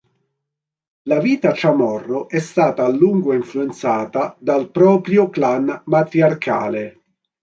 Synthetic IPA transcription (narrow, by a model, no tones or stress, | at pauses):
laviːt̪at͡ʃamɔrːoʔɛst̪aːt̪aːlːuŋɡoiɱfluent̪saːt̪ad̪alpɾɔːpɾjoklanmat̪ɾiarkʰa̰ːle